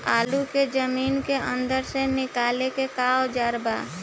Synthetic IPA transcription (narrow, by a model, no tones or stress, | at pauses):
aːluked͡ʒəmiːnkeə̰̃nd̪əɾsenɪkaːlekekaːod͡ʒaɾba